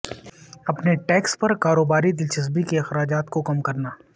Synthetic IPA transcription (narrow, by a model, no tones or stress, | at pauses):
ɐpneʈɛːkspɐɾkaːɾoːbaːɾid̪ɪlt͡ʃɐs̬bikeɪxɾaːd͡ʒaːt̪kokɐmkɐɾnaː